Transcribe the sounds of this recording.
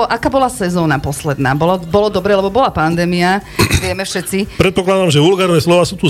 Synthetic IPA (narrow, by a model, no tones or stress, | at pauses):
ɔʔakaːbɔlasɛzɔːnapɔslɛd̪na̰ːbɔlɔbɔlɔd̪ɔbɾɛːlɛbɔbɔlapand̪ɛːmiaʋɪɛmɛfʃɛt͡sipɾɛt̪̚pɔklad̪amʒɛʋulɡaːɾɔʋɛːslɔʋaːsuːt̪u